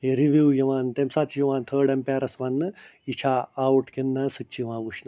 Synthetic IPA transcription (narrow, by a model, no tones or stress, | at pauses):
eɾiʋjuːjɐʋaːnt̪emsɐt͡ʃjiʋaːnt̪ʰəːɖɐmpʲaːɾɐsʋɐnːɨit͡ʃʰaːwʈkinːɐsɨt͡ʃːiʋãːʋuʃnɐ